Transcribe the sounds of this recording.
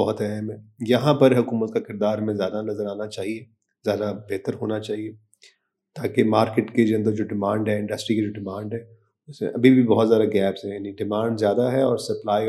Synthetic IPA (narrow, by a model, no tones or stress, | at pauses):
bɔɦʊt̪ɛɦɛmɦɛ̃jɐɦãpɐɾɦʊkuːmət̪̚kakɪɾd̪aːɾmẽzjaːd̪anɐzəɾaːnat͡ʃaːɦie | zjaːd̪abɛːt̪əɾɦoːnat͡ʃaːɦie | t̪aːkemaːɾkɪʈked͡ʒoɐ̃nd̪əɾd͡ʒoːɖɪmãːɳɖɦɛ̃ɪ̃ɳɖəsʈɾiked͡ʒoːɖɪmãːɳɖɦɛ̃ | ʊsmḛ̃ʔɐbʱibʱibɔɦɔt̪zjaːd̪aɡɛːpsɦɛ̃jaːniɖɪmãːɳɖzjaːd̪aɦɛɔːɾsɐplaːi